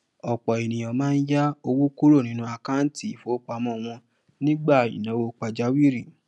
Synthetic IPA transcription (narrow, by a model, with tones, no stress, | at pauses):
ɔ˨k͡pɔ˨e˨nĩ˨j̃ɔ̃˨mãː˦˧n̩˦ja˦o˧wu˦ku˦ɾo˦˨nĩ˦nũ˦a˧ka˦n̩˦ti˦˨fo˨˦k͡pa˧mɔ̃˦˨w̃ɔ̃˧ | nĩ˦ɡ͡ba˦˨ḭ˨nã˨˦wo˧k͡pa˧d͡ʒa˦wi˦˨ɾi˦˨